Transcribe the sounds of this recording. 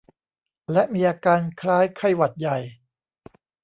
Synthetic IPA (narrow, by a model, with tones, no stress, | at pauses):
lɛ˦˥ʔmiː˧ʔaː˧kaː˧nkʰɾaː˦˥jkʰa˥˩jwa˨˩t̪̚ja˨˩j